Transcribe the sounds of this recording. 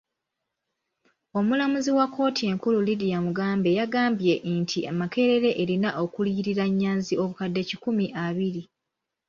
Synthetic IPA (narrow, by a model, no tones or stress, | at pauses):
o̞mulamuziwakʰːo̞ːtie̞ːŋkululidijamuɡaːmbe̞jaɡaːmbje̞ʔntʰiamake̞ɾe̞ɾe̞ʔeɾinaʔo̞kuliːɾiɾaɲːaːnzio̞βukadːe̞cikumiʔaβiɾi